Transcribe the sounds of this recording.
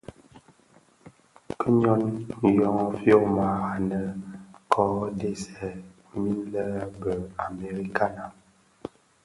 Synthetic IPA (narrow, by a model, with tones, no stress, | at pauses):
kə˦ɲɔ˦n̩˨jɔ˦ŋ˦fjo˦˨ma˨a˨nə˨kʰɔ˦de˦sɛ˨ | mi˦nlə˦bə˨a˨me˨ɾi˦ka˦na˨